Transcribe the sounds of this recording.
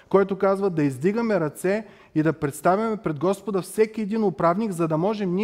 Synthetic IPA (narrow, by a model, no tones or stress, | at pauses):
kɔjt̪okazvɐd̪ɐizd̪iɡɐmɛɾɐt̪sɛ | id̪ɐpɾɛt̪st̪avʲɐmɛpɾɛd̪ɡɔspod̪ɐfsɛkiɛd̪inʊpɾavniɡzɐd̪ɐmɔʒɛmni